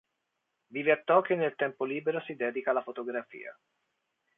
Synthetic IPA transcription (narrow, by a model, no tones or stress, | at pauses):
viveat̪ːɔːkenːelt̪ɛmpoliːbeɾosid̪ɛːd̪ikalafot̪oɡɾafḭːa̰